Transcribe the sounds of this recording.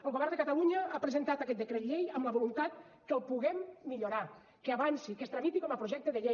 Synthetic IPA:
əlˠβəɣaɾðəkat̪aluɲəapɾəzent̪at̪akɛt̪̚d̪əkɾet̪ʎejəmləβolunt̪at̪̚ | kəlˠpuɣɛmːiʎoɾa | kəaβansikəst̪ɾamit̪ikɔməpɾoʒɛk̚t̪əðəʎe

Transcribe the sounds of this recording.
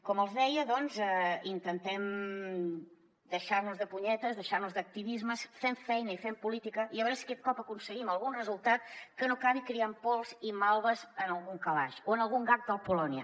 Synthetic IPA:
kɔməlˠzðɛjəðɔnzɛint̪ənt̪ɛm | d̪əʃaɾnuzðəpuɲɛt̪əzðəʃaɾnuzðək̚t̪iβizməsfeɱfɛjnəifempulit̪ikəiəβəɾeskɛt̪̚kɔpəkunsəɣiməlˠɣunrəzulˠt̪at̪̚kənokaβikɾiampɔlˠzimalˠβəzənəlˠɣuŋkəlaʃoənəlˠɣuŋɡak̚d̪əlˠpulɔniə

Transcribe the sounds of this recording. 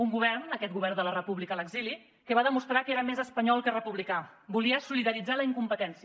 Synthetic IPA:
uŋɡuβ̞ɛɾnəkɛt̪ɡuβ̞ɛɾrnd̪ələrəpuβlikələɡzili | kəβaðəmust̪ɾakeɾəmezəspəɲɔlˠkərəpuβlikabuliəsuliðəɾid͡zaləiŋkumpət̪ɛnsiə

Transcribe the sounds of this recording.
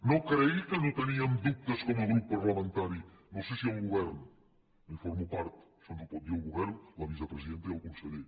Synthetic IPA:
nokɾeikənot̪əniɐmd̪up̚t̪əskɔmɐlˠɣɾupːaɾlɐmẽnt̪aɾinõwsesialˠɣuβɛɾn | ifɔɾmupaɾt̪sɔnzupɔt̪̚d̪iɾəlˠɣuβɛɾnlɐβizəpɾəziðent̪əiəlˠkunseʎe

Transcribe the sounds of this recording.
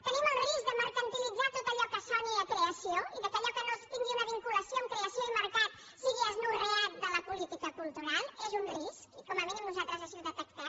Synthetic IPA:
t̪əniməlˠrizk̚d̪əməɾkənt̪ilid͡zat̪ot̪əʎɔkəsɔniəkɾeəsioiðəkəʎɔkənost̪iŋɡiunəβiŋkuləsioəmkɾeəsjoiməɾkat̪ | siɣiəznureat̪̚d̪ələpulit̪ikəkulˠt̪uɾalˠezunriskikɔməβenimnuzalˠt̪ɾəzəʃiðət̪əkt̪a

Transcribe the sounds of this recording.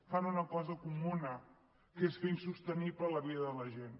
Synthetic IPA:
fanunəkɔzəkumunə | kesfensust̪əniplələβiðəðələʒen

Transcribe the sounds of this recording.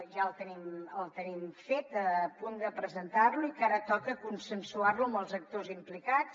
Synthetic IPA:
ʒaəlˠt̪əniməlˠt̪ənimfet̪əpund̪əpɾəzənt̪arluikaɾət̪ɔkəkunsənsuarluəməlˠzək̚t̪ozimplikat͡s

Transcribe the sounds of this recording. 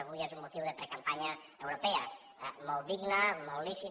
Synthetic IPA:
βujezumːut̪iwðepɾekampaɲa | ewɾopea̰ | mɔlˠd̪iɡnamɔlliʃi

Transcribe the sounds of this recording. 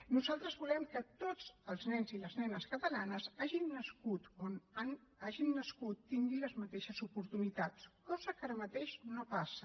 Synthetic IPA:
nuzalˠt̪ɾəzβulɛmkət̪od͡zəlˠznɛnziləznɛnəskət̪əlanəzaʒinːəskut̪onanaʒinːəskut̪ːiŋɡiləzmət̪eʃəzupuɾt̪unit̪at͡skɔzəkaɾəmət̪eʃnopasə

